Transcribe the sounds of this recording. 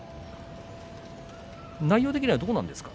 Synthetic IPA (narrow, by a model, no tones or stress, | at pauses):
naijoːt̪ekʲiɲ̟ʲiβad̪o̞ːnã̰nd̪e̞sɨ̥kḁ